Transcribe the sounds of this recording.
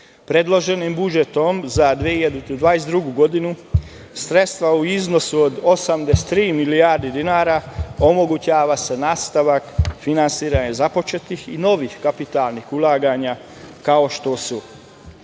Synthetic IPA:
pɾe̞d̪lˠo̞ʒe̞nimbud͡ʒet̪o̞mzad̪ʋiehiʎad̪ud̪od̪ʋaːjesd̪ɾuɡuɡo̞d̪inu | sɾet̪st̪ʋauizno̞suod̪osamd̪est̪ːɾiːmilijaːɾd̪id̪inaːɾaomo̞ɡut͡ɕaːʋase̞naːst̪aʋakfinansiːɾaɲezapo̞t͡ʃet̪ixino̞ʋixkapit̪alˠnixulˠaːɡaɲa | kao̞ʃt̪osu

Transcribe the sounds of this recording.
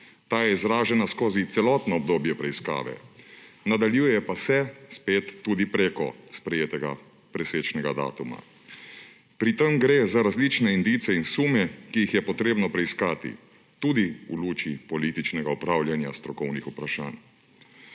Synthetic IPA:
t̪aːjɛizɾaːʒɛnaskoːzit̪sɛlɔːt̪nɔːbd̪oːbjɛpɾɛiska̰ːʋɛ̰nad̪aljuːjɛpasɛspeːt̪ːuːd̪ipɾeːkɔ̰spɾɛjeːt̪ɛɡa | pɾɛseːt͡ʃnɛɡad̪a̰ːt̪uma̰ | pɾit̪əmɡɾeːzaɾazlit͡ʃnɛind̪iːt̪sɛinsuːmɛkijixjɛpɔt̪ɾeːbnɔpɾɛiskaːt̪ḭ | t̪uːd̪iuluːt͡ʃipɔlit̪it͡ʃnɛɡaupɾaːwljanjast̪ɾɔkɔwnixupɾaʃa̰ːn

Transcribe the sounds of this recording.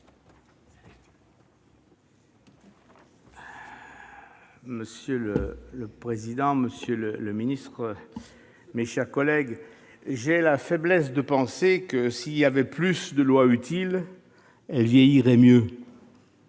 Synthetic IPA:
məsjølələpχezid̪ɑ̃məsjølələminist̪χ | meʃɛʁkɔlɛɡ | ʒelafɛblɛs̬d̪əpɑ̃sekəsiljavɛplysd̪əlwayt̪ʰil | ɛlvjɛjiʁɛmjø

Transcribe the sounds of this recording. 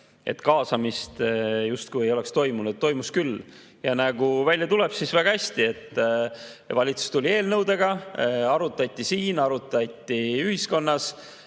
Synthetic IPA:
ʔe̞̰t̪ːkɑːsɑmist̪just̪̚kujejo̞le̞kst̪o̞jmunut̪ːo̞jmuskylː | jɑnɑɡ̥uvælʲjɑt̪ule̞b̥sisvæɡ̥ɑæsʲt̪ie̞t̪ːˑ | vɑlʲit̪su̥st̪ulʲie̞ːlnɤwd̪e̞ɡ̥ɑɑɾut̪ːˑɑt̪ʲːˑisiːnɑɾut̪ːˑɑt̪ʲːˑiyhisko̞nːɑs

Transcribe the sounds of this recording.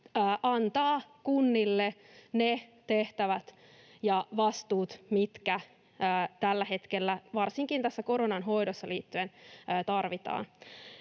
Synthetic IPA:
əːʔɑnt̪ɑːkunːilːe | net̪e̞ht̪æʋæt̪ | jɑʋɑst̪uːt̪mit̪kæː | t̪ælːæhe̞t̪kelːæʋɑrsiŋkint̪æsːæko̞ɾonɑnɦo̞jdosːɑliːt̪ːyenːt̪ɑrʋit̪ɑ̰ːn

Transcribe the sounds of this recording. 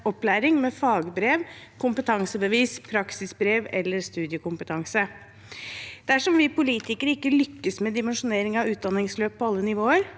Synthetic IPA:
ɔplæːɾɪŋmɛfɑːɡbɾeːʋkʰʊmpət̪ʰɑŋsəbəʋiːspʰɾɑksɪsbɾeːʋɛ̰lːəɾst̪ʉːd̪ɪəkʊmpət̪ʰɑŋsə | d̪̥ɛæʂɔmʋɪpʊliːt̪ɪkəɾəɪkːəlʏkːəsmɛd̪ɪmɛnʂʊneːɾɪŋɑʋʉːt̪̚d̪ɑnːɪŋsløːppʰːɔɑlːənɪʋoːəɾ

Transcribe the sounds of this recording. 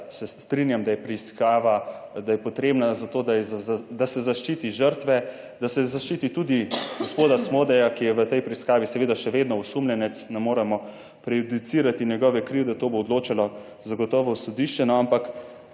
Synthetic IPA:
sɛst̪ɾinjamd̪ajɛpɾiskaːʋad̪ajɛpɔt̪ɾeːbnazat̪oːd̪ajɛzd̪asɛzaʃt͡ʃiːt̪iʒəɾt̪ʋɛ | d̪asɛzaʃt͡ʃit̪it̪ud̪iɡospoːd̪asmod̪ɛjakijɛʋət̪ɛjpɾiiskaːʋisɛʋeːd̪aʃɛʋeːd̪nɔusumlʲɛnɛt̪snɛmoːɾɛmɔ | pɾɛjud̪it̪siːɾat̪injɛɡɔʋɛkɾiwd̪at̪oːboːd̪loːt͡ʃalɔ | zaɡɔt̪ɔːʋɔsɔd̪iʃt͡ʃɛnɔampak

